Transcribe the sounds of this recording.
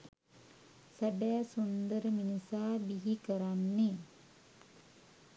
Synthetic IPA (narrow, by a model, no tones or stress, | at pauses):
sɐbæːsund̪ɐɾəminusaːbiɦikəɾanːi